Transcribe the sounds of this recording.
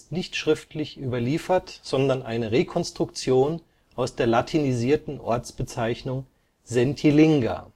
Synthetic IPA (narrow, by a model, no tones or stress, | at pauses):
stnɪçtʃʁ̥ɪftlɪçʔyːbɐliːfɐtz̥ɔndɐnʔaɪnəʁekʰɔnstʁ̥ʊkt͡sjoːn | ʔaʊsd̥eːɐlatʰiniziːɐtn̩ʔɔ̰ɐt͡sb̥ət͡saɪçnʊŋ | zɛntʰilɪŋɡa̰